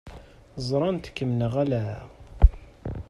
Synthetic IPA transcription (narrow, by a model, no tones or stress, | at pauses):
zˤɾˤɑnt̪kːəmnəʁælæ